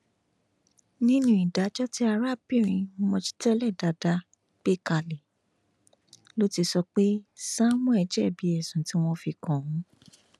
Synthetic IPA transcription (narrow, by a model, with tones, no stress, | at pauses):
nĩ˦nũ˦i˨da˨˦d͡ʒɔ˦ti˦a˧ɾa˦˨pi˦˨ɾĩ˧˦mɔ̃˧t͡ʃi̥˦tɛ˦lɛ˦˨da˨˦da˧ | k͡pe˦˨ka˧lɛ˨ | lo˦ti˧sɔ˧k͡pe˦sã˦wɔ̃˦ɛ˧d͡ʒɛ˦˨bi˨˦ɛ˨sũ˨ti˨˦w̃ɔ̃˧fi˧kɔ̃˨ũ˨˦